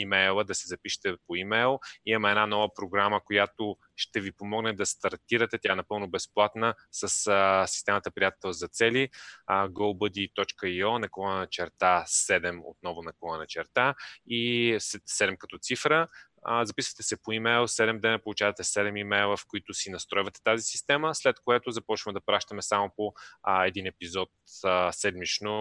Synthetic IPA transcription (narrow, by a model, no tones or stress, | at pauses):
imɛjlˠəd̪ɐsɛzɐpiʃɛ̥t̪ɛpoimɛjlˠimɐmɛɛnanɔvəpɾoɡɾaməkojat̪o | ʃt̪ɛvipomɔɡnɛd̪ɐst̪ɐɾt̪iɾət̪ɛt̪jaɛnɐpɤlˠnʊbɛsplˠat̪nə | səssi̥st̪ɛmət̪əpɾijat̪t̪ɛlˠzɐt̪sɛliɡolˠbəd̪it̪ɔt͡ʃkəiɔnɐklˠɔnnət͡ʃɛɾt̪asɛd̪ɛmo̰t̪̚nɔvʊnɐklˠɔnənɐt͡ʃɛɾt̪aissɛd̪ɛmkɐt̪ɔt̪sifɾə | zɐpisvə̥t̪ɛsɛpoimɛjlˠsɛd̪ɛmd̪ɛnəpolˠut͡ʃavɐt̪ɛsɛd̪ɛmimɛjlˠəfkoit̪ʊsinɐst̪ɾɔjvət̪ɛ̥t̪azisi̥st̪ɛməslɛt̪koɛt̪ʊzɐpɔt͡ʃvəmɛd̪ɐpɾaʃt̪əmɛsamopoɛd̪inɛpizɔt̪sɛd̪mit͡ʃno